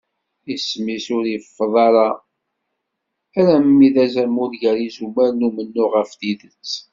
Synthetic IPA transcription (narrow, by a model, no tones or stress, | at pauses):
ismisʊɾifːəðˤɑɾˤɑ | æɾæmːiðæzæmʊɾʝæɾizumæɾnumənːʊʁəfθiðət͡sː